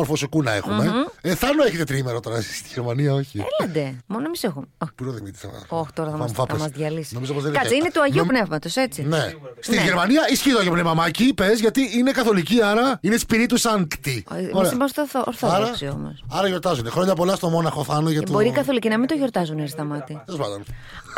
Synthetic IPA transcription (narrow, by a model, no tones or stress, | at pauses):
oɾfosekunɐe̞̰xumeeθɐnoeçet̪et̪ɾimeɾɐt̪oɾɐzi̥st̪iʝeɾmɐniɐo̞çiḛlɐd̪emonoemisexumopuɾoðimit̪i̥sɐ̰ɐ̰oçt̪oɾɐθɐmɐmfɐɐmɐzðʝɐlisnomizopozðenɐsinet̪uɐʝeupne̞vmɐt̪ose̞t͡sine̞st̪iʝeɾmɐniɐisçiðoʝopnevmɐmɐcipe̞zʝɐt̪iʔine̞kɐθo̞liciɐɾɐineispiɾit̪usɐŋkt̪isimɐst̪oθoʔoɾθoɾɐsio̰mo̰sɐɾɐʝo̞ɾt̪ɐzunexɾoɲɐpo̞lɐst̪omo̞nɐxoθɐnoʝɐt̪boɾikɐθo̞licinɐmind̪oʝo̞ɾt̪ɐzuneɾist̪ɐmɐt̪iozmɐd̪on